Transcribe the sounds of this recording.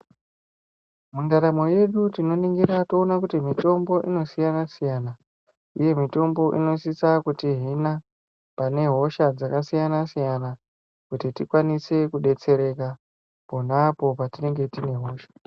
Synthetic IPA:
mundaɾamo̞je̞ɗutino̞niŋɡiɾatoːnakutimito̞mbo̞ʔino̞sijanasijana | ṵje̞mito̞mbo̞ʔḭno̞sisakutiɦina | pane̞ɦo̞ʃad͡zakasijanasijana | kutitikwanise̞kuɗe̞t͡se̞ɾe̞ka | po̞napo̞patine̞ŋɡe̞tine̞ɦo̞ːʃḁ

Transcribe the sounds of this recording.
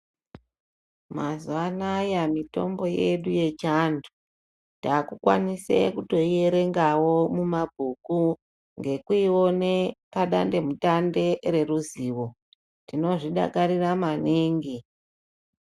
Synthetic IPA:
mazuwanajamito̞̰mbo̞jeɗuje̞t͡ʃandu | taːkukwa̰nisḛkuto̞ie̞ɾe̞ŋɡawo̞mumabʱuku | ŋɡe̞kuiwo̞nepaɗa̰nde̞mutande̞ɾe̞ruziːwo̞ | tino̞ʐiɗa̰kaɾiramaneːŋɡi

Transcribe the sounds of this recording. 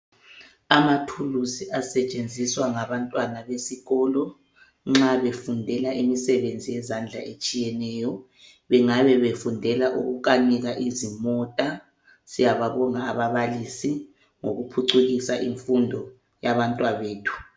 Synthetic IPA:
amatʰulusiʔasɛt͡ʃʼend͡zʱiswaŋaβantʼwanaβesiɣɔːlɔ | ŋ͡ǁaβefundʱɛlaʔimisɛβend͡zʱijɛzand͡ɮʱa̰ʔet͡ʃʼijɛnɛːjɔ | βɛŋaβɛβefundʱɛlaʔuɣuɣaniɣaʔizimɔtʼa | sijaβaβɔŋaːβaβalisi | ŋoɣupʰuǀuɣisaʔiɱfundʱɔ | jaβantʼwaβeːtʰu̥

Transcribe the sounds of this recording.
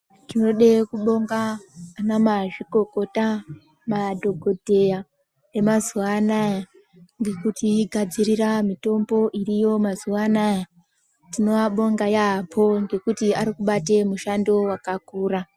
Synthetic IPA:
tino̞ɗekuɓo̞ŋɡaːnamaʐiko̞ko̞ta | madʱo̞ɡʱo̞dʱe̞ja | e̞mazuʋanaja | ŋɡe̞kutiɡʱad͡ziriramito̞mbo̞ʔirijo̞mazuʋanaja | tino̞ʋaɓo̞ŋɡajaːpʰo̞ŋɡe̞kutiaɾikuɓate̞muʃando̞wakakuːra

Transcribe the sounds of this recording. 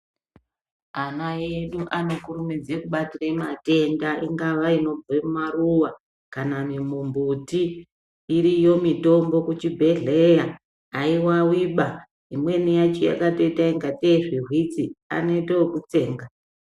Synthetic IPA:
anaeɗuʔano̞kuɾumid͡zekuɓatiramate̞ndaʔiŋɡaʋaino̞b͡vemumaruwa | kanamimumbutiː | ɾijo̞mito̞mbo̞kut͡ʃibʱe̞ɮe̞jaː | iwawiɓa | imwe̞nijat͡ʃija̰kato̞itaiŋɡateʐirwit͡sia̰ne̞tookut͡se̞ːŋɡa

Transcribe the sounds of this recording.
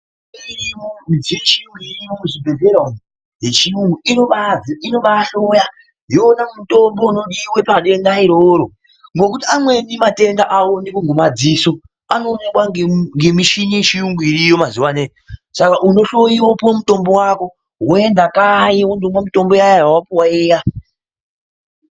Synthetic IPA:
iiziet͡ʃimwiɾiouʐibʱeɮeɾon | ɦet͡ʃiwuinoɓaziino̞ɓaɬo̞ja | joːnamuto̞mbo̞unoɗiwe̞paɗe̞ndaiɾoɾo | ŋɡo̞kutiamwe̞nimate̞ndaʔawonekuŋɡumad͡ziːso̞ | ano̞ːnekwaŋɡemiʃiɲiʃiuŋɡuiɾijomaziwanejosakaʔuno̞ɬo̞jiwopomuto̞mbo̞wako̞ | ɦwoe̞ndakajiwondomwamito̞mbo̞jajajawapuwaiːja

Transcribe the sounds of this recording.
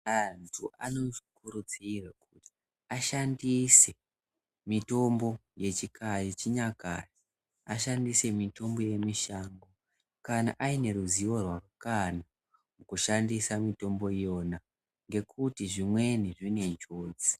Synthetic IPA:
antʰuʔano̞ʐikuɾut͡siːrekuti̥ | aʃandise̞ | mito̞mbo̞je̞t͡ʃikʰajet͡ʃiɲaka̰ri | aʃandise̞mito̞mbo̞je̞miʃaːŋɡo | kana̰ʔaine̞ɾuziʋo̞rwarukana | mukuʃandisamito̞mbo̞ijo̞na | ŋɡe̞kʰutiʐimwe̞niʐine̞ɲt͡ʃoːd͡zi̥

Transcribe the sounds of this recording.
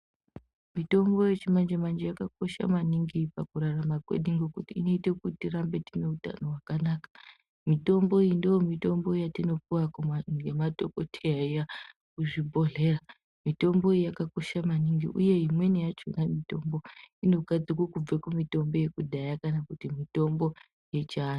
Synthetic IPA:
mito̞mbo̞je̞t͡ʃimand͡ʒemand͡ʒejakako̞ʃa̰maniŋɡipakuɾaramakwḛɗiŋɡo̞kutiːno̞ite̞kutiɾambe̞tine̞uta̰noɦwakanaːkḁ | mito̞mbo̞indojomito̞mbo̞jatino̞piwakuŋɡemato̞ko̞tʰejaija | kuʐibʱo̞ɮe̞ra | mito̞mbo̞ijakako̞ʃamaniŋɡḭʔṵje̞ɦimwe̞nejat͡ʃo̰namito̞mbo̞ino̞ɡʱad͡zikwokub͡vekumito̞mbo̞je̞kuɗajakanakutimito̞mbo̞ | je̞t͡ʃaːn

